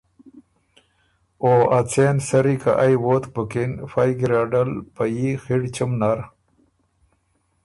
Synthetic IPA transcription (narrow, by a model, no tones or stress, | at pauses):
oːat͡sʰensɐɾika̰ʔajwot̪bəkinfajɡɾaɖɐlpajixiɽt͡ɕəmnaɾ